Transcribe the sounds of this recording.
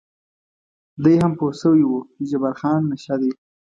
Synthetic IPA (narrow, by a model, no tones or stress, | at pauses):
d̪əjɦamposəwiwud͡ʒabaɾxɑnːaʃad̪e